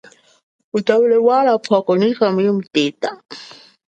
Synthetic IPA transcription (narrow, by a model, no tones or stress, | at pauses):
utawulɛwalapʰwakɔnixamujɛmutɛːta